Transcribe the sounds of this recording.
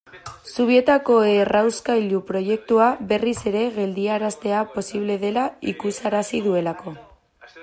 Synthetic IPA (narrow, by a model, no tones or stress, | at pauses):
suβ̞ie̞t̪ako̞erawskajʎupɾo̞je̞k̚t̪uaβe̞rise̞ɾe̞ɣe̞ld̪iaɾast̪e̞apo̞siβ̞le̞ðe̞laikusaɾasiðue̞lako̞